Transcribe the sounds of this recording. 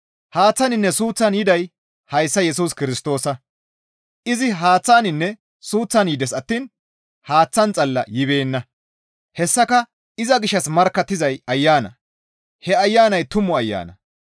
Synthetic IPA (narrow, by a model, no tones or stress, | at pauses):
haːt͡sːɐnɪnːɛsuːt͡sːɐnjɪd̪ɐj | hɐjsːɐjɛsuːskɪɾɪst̪o̞ːsɐ | ʔɪzɪɦaːt͡sːaːnɪnːɛ | suːt͡sːɐnjɪd̪ɛsɐt̪ːiːn | haːt͡sːɐnt͡sʼɐlːɐ̰jɪbe̞ːnːɐ | hɛsːɐkɐ | ɪzɐɡɪʃːɐsmɐɾkːɐt̪ːɪzɐjɐjːaːnɐ̰ | hɛɐjːaːnɐjt̪ʊmɔɐjːa̰ːnɐ